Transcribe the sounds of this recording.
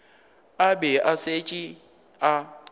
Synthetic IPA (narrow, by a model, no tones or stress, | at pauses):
abɛʔaset͡ʃʼi | a